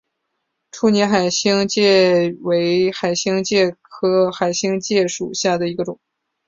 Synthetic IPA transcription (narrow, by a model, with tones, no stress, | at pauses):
ʈ͡ʂʰu˥˩njɛ˧˥nxa˨˩ɪɕi˥ŋt͡ɕjɛ˥˩we˧˥ɪxa˨˩ɪɕi˥ŋt͡ɕjɛ˥˩kʰɤ˥xa˨˩ɪɕi˥ŋt͡ɕjɛ˥˩ʂu˨˩ɕja˥˩d̪ə˩i˧˥ɡə˧ʈ͡ʂʊ˨˩˦ŋ